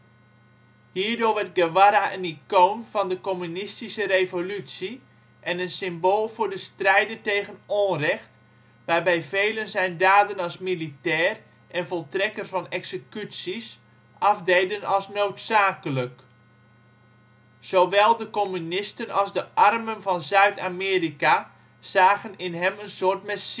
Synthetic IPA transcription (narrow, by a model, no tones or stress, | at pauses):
hiːɹdoːrʋɛrt̚ɡəʋaɾaʔənikoːnvɑndəkomynɪstisərevolytsi | ʔɛnənsɪmboːlˠvʊːɹdəstrɛjdəntejɣənoːrɛxt | ʋaːrbɛjveːlənzɛjndaːdənɑlˠsmilitɛːr | ʔɛnvɔlˠtrɛkərvɑnɛksəkytsis | ʔɑfdejdənɑlˠsnowtsaːkələk | z̥owʋɛlˠdəkomynɪstənɑlˠzdəʔɑrmənvɑnzœɥtʰaːmɪːrika | z̥aːɣənɪnɦɛmənsoːrtmɛs